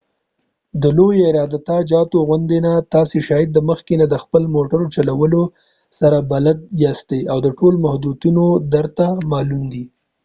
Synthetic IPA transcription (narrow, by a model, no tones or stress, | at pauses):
d̪əlojaɪɾɑd̪at̪ɑd͡ʒɑt̪oɣʊnd̪enat̪ɑseʃɑjɪd̪̚ːəməxkenad̪əxpəlmoʈaɾot͡ʃalawəlo | saɾabalad̪̚jɑst̪ejawd̪əʈolmahd̪ut̪unod̪əɾt̪amɑlund̪i